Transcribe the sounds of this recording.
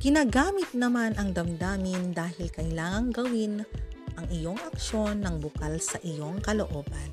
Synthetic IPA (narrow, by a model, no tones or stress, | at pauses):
ɡ̥ɪnaːɡaːmɪt̪̚nɐmanɐŋd̪ɐmd̪aːmɪnd̪aːhɪlkɐjlaːŋɐŋɡɐwinʔɐŋɪjo̞ŋɐk̚ʃo̞nːɐŋbʊkalsɐʔɪjo̞ŋkɐloʔo̞ːbɐn